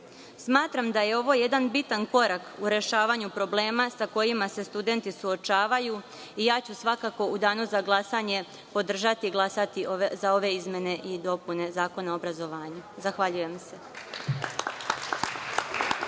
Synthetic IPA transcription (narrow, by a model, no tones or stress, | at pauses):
smaːt̪ɾamd̪aje̞o̞ʋo̞je̞d̪anbit̪anko̞ɾakuɾe̞ʃaːʋaɲupɾo̞ble̞ːmasako̞jimase̞st̪ud̪e̞nt̪isuo̞t͡ʃaːʋaju | ijaːt͡ɕusʋakako̞ud̪aːnuzaɡlˠasaɲe̞ | po̞d̪r̩ʒat̪iɡlˠasat̪izao̞ʋe̞izmʲje̞ne̞ʔid̪o̞pune̞zaːko̞naobɾazo̞ʋaːɲuzaxʋaʎuje̞mse̞